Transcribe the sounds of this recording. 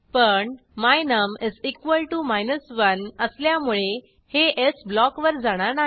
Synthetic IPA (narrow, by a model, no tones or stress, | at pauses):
pəɳ | majnəmid͡zikʋəlʈumajnəsʋənəsljamuɭe | heʔesblɔkʋəɾd͡zaɽ̃aɾnaɦi